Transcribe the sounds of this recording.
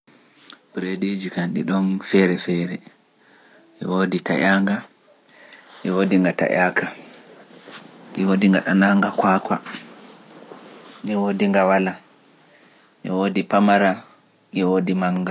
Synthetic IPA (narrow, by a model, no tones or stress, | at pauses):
bɾedid͡ʒikanɗiɗɔnfɛɾɛfɛɾɛ | ʔɛ̰woditaʔaŋɡa | ʔɛwodiŋɡata̰ʔakʰa | ʔiwodiŋɡaɗanaŋɡakaːkwa | niwodiŋɡawala | ʔɛwodipamaɾa | ʔɛwodimaŋɡa